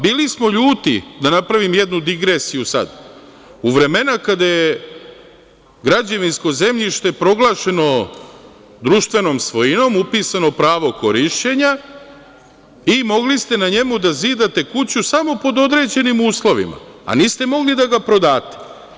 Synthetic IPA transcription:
biːlismo̞ʎuːt̪id̪anapɾaʋimje̞d̪nud̪iɡɾe̞sijusa̰d̪ | uʋɾe̞me̞nakad̪aje | ɡɾad͡ʑaʋinsko̞ze̞mʎiʃt̪e̞pɾo̞ɡlˠaːʃe̞no̞ | d̪ɾuʃt̪ʋe̞no̞ːmsʋo̞jino̞mupiːsano̞pɾaːʋo̞ko̞ɾiʃt͡ɕe̞ɲa | imo̞ɡlist̪e̞naɲe̞mud̪aziːd̪at̪e̞kut͡ɕusamo̞po̞d̪o̞d̪ɾe̞d͡ʑe̞nimuːslˠo̞ʋḭma̰ːniːst̪e̞mo̞ɡlid̪aɡapɾo̞d̪aːt̪e̥

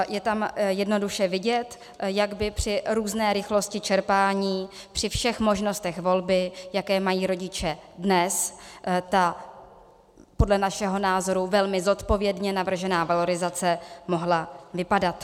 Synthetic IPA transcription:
jɛt̪amjɛdno̞duʃɛvɪɟɛt̪ | jaɡbɪpr̝̥ɪɾuːznɛːɾɪxlo̞scɪt͡ʃɛɾpaːɲiːpr̥ɪfʃɛxmo̞ʒno̞st̪ɛxvo̞lbɪjakɛːmajiːɾo̞ɟɪt͡ʃɛdnɛst̪a | po̞dlɛnaʃɛɦo̞naːzo̞ɾuvɛlmɪzo̞t̪po̞vjɛdɲɛnavr̩ʒɛnaːvalo̞ɾɪzat͡sɛmo̞ɦlavɪpadat̪

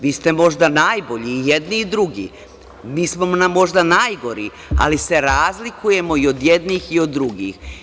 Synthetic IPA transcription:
ʋiːst̪e̞mo̞ʒd̪anaːjbo̞ʎiːjed̪niːd̪ɾuɡḭː | miːsmomnamːo̞ʒd̪anajɡo̞ɾḭ | a̰lise̞ɾaːzlikuje̞mo̞io̞d̪jed̪niːxiod̪ːɾuɡḭːx

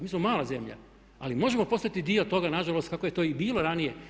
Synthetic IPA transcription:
miːsmo̞maːlˠaze̞mʎa̰ | alimo̞ʒe̞mo̞po̞st̪ait̪id̪io̞t̪o̞ɡanaʒalˠo̞st̪̚kakoje̞t̪oːibiːlo̞ɾanije̞

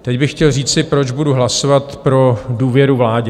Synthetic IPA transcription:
t̪ɛcbɪxːcɛlriːt͡sɪpɾod͡ʒbuduɦlasovat̪pɾo̞duːvjɛɾuvlaːɟɛ

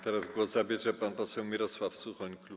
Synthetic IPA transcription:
t̪ɛɾazɡwɔzzabʲjɛʐɛpanpɔsɛwmʲiɾɔswafsuxɔɲʲklu

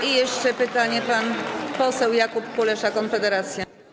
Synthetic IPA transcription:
ijɛʂt͡ʂɛpɘt̪aɲɛpanpɔsɛwjakupkulɛʂakɔnfɛd̪ɛɾat̪sʲja

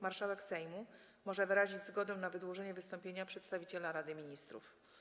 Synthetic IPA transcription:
maɾʂawɛksɛjmu | mɔʐɛvɘɾaʑid͡ʑzɡɔd̪ɛw̃navɘd̪wɔʐɛɲɛvɘst̪ɔmpʲjeɲapʂɛt̪st̪avʲit͡ɕɛlaɾad̪ɘmʲiɲist̪ɾṵf

